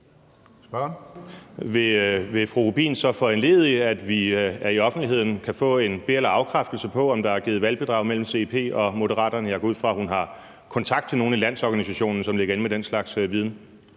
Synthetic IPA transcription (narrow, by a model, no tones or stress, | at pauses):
sb̥ | ʋe̝ʋe̝fʁuʁub̥ḭːnsɒ̽fɒ̽enle̝̰ːð̞̩ˠiæd̥ʋiæɐiɒ̽fnd̥liɦe̝ð̰ˠn̩kʰæfɔ̰̽ːe̝nb̥e̝elɐɑ̈ʊkʰʁafd̥l̩səpʰɒ̽ɒ̽md̥ɑ̈æɐɡiːð̩ˠʋælb̥e̝d̥ʁɑ̈ʊmel̰m̩se̝pʰe̝̰ːɒ̽mo̝dəʁɑ̰̈ːd̥ɐnəjɑ̈ɡ̥ɒ̽uð̰ˠfʁɑ̈hunɦɑ̈ | kʰɒ̽nt͡sʰɑ̈ɡ̥̚t͡sʰe̝lno̝ːn̩ilæn̰sɒɡ̥ænisæɕo̝̰ːnn̩sɒ̽mle̝ɡɐe̝nmed̥enslɑ̈ɡ̥sʋið̞ˠn̩